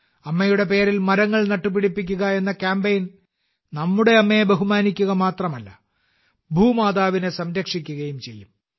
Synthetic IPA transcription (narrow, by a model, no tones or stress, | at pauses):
ɐmːɐjuɽe̞pe̞ːɾilmɐɾɐŋːɐɭnɐʈːup̬ːiɽipːik̬ʲːuɣɐe̞nːɐkaːmbejn | nɐmːuɽe̞ɐmːe̞beɦumaːnikʲːuɣɐmaːt̪rɐmɐlːɐ̰ | bʱuːmaːd̪aːʋinesɐmɾɐkʂikʲːuɣɐjumt͡ɕe̞lːum